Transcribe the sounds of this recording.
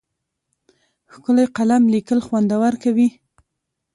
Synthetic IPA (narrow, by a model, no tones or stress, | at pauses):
xkəlajqalamlikəlxwand̪awaɾkawi